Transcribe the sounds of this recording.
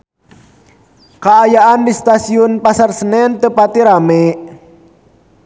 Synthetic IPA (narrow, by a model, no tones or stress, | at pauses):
kaːjaandist̪asiunpasarsənɛnt̪əpat̪iɾamɛʔ